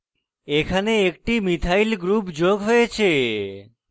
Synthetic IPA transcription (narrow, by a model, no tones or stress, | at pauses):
ekʰaneek̚ʈimit̪ʰailɡɾupd͡ʒoɡɦɔjet͡ʃʰe